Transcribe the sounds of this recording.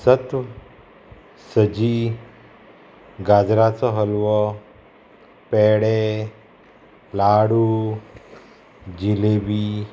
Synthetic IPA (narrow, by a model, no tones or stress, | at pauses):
sət̪ʋ | səd͡ʑi | ɡad͡zɾat͡sɔɦəlʋɔ | peɽe | laɽu | d͡ʑilebiː